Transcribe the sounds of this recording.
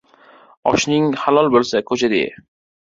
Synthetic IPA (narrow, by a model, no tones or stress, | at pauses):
ɒ̰ʃnɪŋhalɒlˠbolˠsakʰot͡ʃʰad̪ḛ